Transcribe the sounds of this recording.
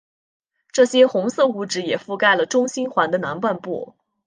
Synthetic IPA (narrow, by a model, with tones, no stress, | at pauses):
ʈ͡ʂɤ˥˩ɕjɛ˥xʊ˧˥ŋsɤ˥˧u˥˩ʈ͡ʂɻ̩˧˥jɛ˨˩fu˥˧ka˥˩ɪlə˩ʈ͡ʂʊ˥ŋɕi˥nxwa˧˥nd̪ə˧na˧˥npwa˥˧npṵ˥˩